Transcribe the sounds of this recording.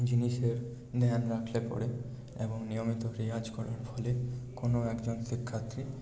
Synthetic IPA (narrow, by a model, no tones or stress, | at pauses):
d͡ʑiniʃeɾ | d̪ɛɦanɾakʰlepɔ̰ɾe | ḛboŋnijomit̪oɾiɦad͡ʑkɔɾaɾfʰɔlekonoɛkd͡ʑonʃikʰːat̪ɾi